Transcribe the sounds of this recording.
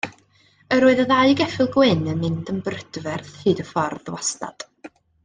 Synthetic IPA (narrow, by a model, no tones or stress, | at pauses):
əɾoːɨðəðaɨɡɛfɪlˠɡwɪnəmɪndənbrəd̥vɛrθhɨːdəfɔrðwasna̰d̥